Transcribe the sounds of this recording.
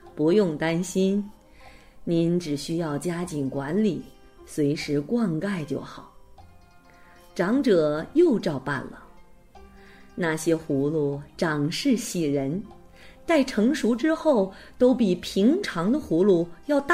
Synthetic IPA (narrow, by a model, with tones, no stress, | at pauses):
pu˧˥jʊ˥˩ŋt̪a˥nɕi˥n | ni˧˥nʈ͡ʂɻ̩˨˩ɕy˥jɑ˥˩ʊt͡ɕja˥t͡ɕi˨˩nkwa˧˥nli˨˩˦ | swe˧˥ɪʂɻ̩˧˥kwɑ˥˧ŋka˥˧ɪt͡ɕjo̰˥˩ʊxɑ˨˩˦ʊ | ʈ͡ʂɑ˧˥ŋʈ͡ʂɤ˨˩jo˥˧ʊʈ͡ʂɑ˥˧ʊpa̰˥˩nlə˩ | na˥˩ɕjɛ˥xu˧˥lu˥˩ʈ͡ʂɑ˨˩ŋʂɻ̩˥˩ɕi˨˩ɻə˧˥n | t̪a˥˩ɪʈ͡ʂʰɤ˧˥ŋʂu˧˥ʈ͡ʂɻ̩˥xo˥˩ʊt̪o˥ʊpi˨˩pʰi˧˥ŋʈ͡ʂʰɑ˧˥ŋd̪ə˧xu˧˥lu˥˩jɑ˥˧ʊt̪